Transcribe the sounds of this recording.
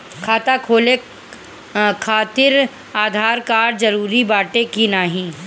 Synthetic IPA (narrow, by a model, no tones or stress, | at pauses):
kʰaːt̪akʰoːle | kʰaːt̪ɪɾ | aːd̪ʱaːɾkaːɾd͡ʒɐɾuːɾibaːʈekinaːɦĩ